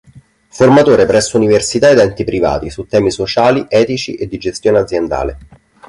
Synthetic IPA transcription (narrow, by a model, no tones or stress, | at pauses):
format̪oːɾepɾɛsːouniversit̪aed̪ɛnt̪ipɾiva̰ːt̪isut̪ːɛːmisot͡ʃaːliʔɛːt̪it͡ʃḭʔed̪ːid͡ʒest̪joːnead̪zjend̪a̰ːlḛ